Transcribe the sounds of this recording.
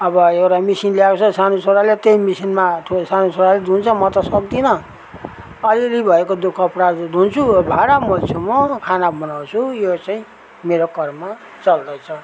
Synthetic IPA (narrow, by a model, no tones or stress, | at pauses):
ʌbʌewʈamisinljakt͡sʰʌsanusoɾalet̪ejmisinmaʈʰusanusoɾaled̪ʱunt͡sʰʌmʌt̪ʌsʌk̚d̪inʌ | ʌliɾibʱʌekod̪ukʰʌpɽad̪ʱunt͡sʰubʱaɽamolt͡sʰumʌkʰanabʱʌnawt͡sʰujot͡saĩ | meɾokʌrma | t͡sʌld̪ʌjt͡sʰʌ